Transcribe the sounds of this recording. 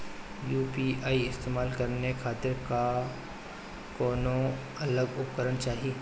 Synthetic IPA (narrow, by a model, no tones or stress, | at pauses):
juːpiːaːiɪst̪eːmaːlkɐɾnekʰaːt̪ɪɾka | kɔːnõ | ɐləɡʊp̚kəɾənt͡ʃaːɦieː